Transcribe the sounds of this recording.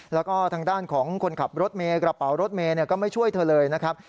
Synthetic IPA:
lɛː˦˥wkɔː˥˩t̪ʰaː˧ŋdaː˥˩nkʰɔː˩˦ŋkʰo˧nkʰa˨˩p̚ɾo˦˥t̪̚meː˧kɾa˧pa˩˦wɾo˦˥t̪̚meː˧ni˥˩ɐkɔː˥˩ma˥˩jt͡ɕʰu˥˩əjt̪ʰɤː˧lɤː˧jna˦˥kʰɾa˦˥p̚

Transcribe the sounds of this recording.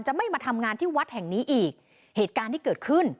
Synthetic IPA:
nt͡ɕa˨˩ma˥˩jmaː˧t̪ʰa˧mŋaː˧nt̪ʰiː˥˩wa˦˥t̪̚hɛ˨˩ŋniː˦˥ʔiː˨˩k̚ | heː˨˩t̪̚kaː˧nt̪ʰiː˥˩kɤː˨˩t̪̚kʰɯ˥˩n

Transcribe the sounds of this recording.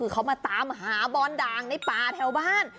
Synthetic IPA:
ɯː˧kʰa˦˩wmaː˧t̪aː˨˧mɦaː˩˦bɔː˧ndaː˧ŋna˧˩jp̪aː˧t̪ʰɛ˧wbaː˥˩n

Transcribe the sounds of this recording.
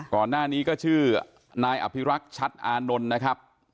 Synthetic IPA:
kɔː˨˩nːaː˥˩niː˦˥kɔː˥˩t͡ɕʰɯː˥˩ | naː˧jʔa̰˨˩pʰi˦˥ɾa˦˥k̚t͡ɕʰa˦˥t̪̚ʔaː˧no˧nːa˦˥kʰɾa˦˥p̚

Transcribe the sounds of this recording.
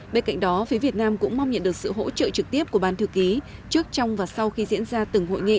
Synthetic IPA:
ɓe˧nka̰˧˨jŋ̟ɗɔ˨˦fi˨˦vi˨˩ət̚naː˧mkʊ̰˧˥ŋ͡mma˧wŋ͡mɲə̰˧˨nɗɨ˨˩ək̚sɨ̰˧˨ɦo̰˧˥t͡ɕə̰ː˧˨t͡ɕɨ˨˩k̚t̪i˦˥əp̚ku˧˩əɓaː˧˩nt̪ʰɨ˧əki˨˦t͡ɕɨ˦˥ək̚t͡ɕɔ˧wŋ͡mvaː˨˩sa˧wxi˧zḭ˧˥ənzaː˧t̪ɨ˨˩ŋɦo̰˧˨jŋḭ˧˨

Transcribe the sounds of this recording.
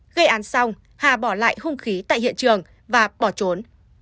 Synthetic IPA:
ɣə˧jʔaː˨˦nsa˧wŋ͡m | haː˨˩ɓɔ˧˩la̰ː˧˨jhʊ˧ŋ͡mxi˨˦t̪a̰ː˧˨jhḭ˧˨ənt͡ɕɨ˨˩əŋ | vaː˨˩ɓɔ˧˩t͡ɕo˨˦n

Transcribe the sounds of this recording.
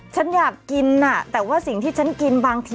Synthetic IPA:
t͡ɕʰa˦˥njaː˨˩kːi˧nːa˧˩t̪ɛː˨˩waː˥˩si˨˩ŋt̪ʰiː˥˩t͡ɕʰa˦˥nki˧nbaː˧ŋt̪ʰː

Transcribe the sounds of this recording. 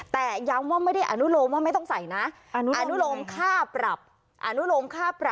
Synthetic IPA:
t̪ɛː˨˩ja˦˥mwaː˥˩ma˥˩jda˥˩jʔa˧nu˦˥loː˧mwaː˥˩ma˥˩jt̪ɔ˥˩ŋsa˨˩jna˦˥˧ | ʔa˧nu˦˥loː˧mkʰaː˥˩pɾa˨˩p̚ | ʔa˧nu˦˥loː˧mkʰaː˥˩pɾa˨˩

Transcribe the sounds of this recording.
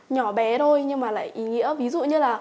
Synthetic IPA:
ɲɔ˧˩ɓɛ˨˦tʰo˧jɲɨ˧ŋmaː˨˩la̰ː˧˨jʔi˨˦ŋḭ˧˥əvi˨˦zṵ˧˨ɲɨ˧laː˨˩

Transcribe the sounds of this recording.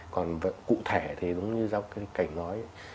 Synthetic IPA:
kɔ˨˩nvə˧˨kṵ˧˨t̪ʰe˧˩t̪ʰi˨˩ɗʊ˨˦wŋ͡mɲɨ˧za˧w̚kaː˨˦jka˧˩jŋ̟nɔ˨˦j

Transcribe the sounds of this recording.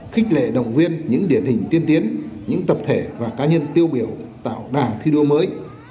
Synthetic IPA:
xï˦˥k̟̚lḛ˧˨ɗə̰˧˨wŋ͡mvi˧ənɲɨ̰˧˥ŋɗi˧˩ənhï˨˩ŋ̟t̪i˧ənt̪i˨˦ənɲɨ̰˧˥ŋt̪ə˨˩p̚t̪ʰe˧˩vaː˨˩kaː˨˦ɲə˧nt̪i˧əwɓi˧˩əwt̪a̰ː˧˨wɗaː˨˩t̪ʰi˧ɗu˧əməː˨˦j

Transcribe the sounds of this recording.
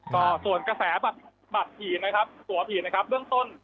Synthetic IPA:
kɔː˥˩su˨˩ənkɾa˧sɛː˩˦ba˨˩t̪̚ | ba˨˩t̪̚pʰiː˨˩na˦˥kʰa˦˥p̚t̪u˨˩˦ɐpʰiː˨˩na˦˥kʰa˦˥p̚bɯ˥əŋt̪o˥˩n

